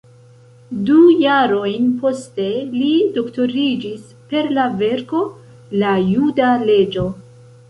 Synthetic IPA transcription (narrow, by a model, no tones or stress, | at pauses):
dujaɾo̞jnpo̞ste̞lido̞kto̞ɾid͡ʒis | pe̞ɾlave̞ɾko̞ | lajudale̞d͡ʒo̞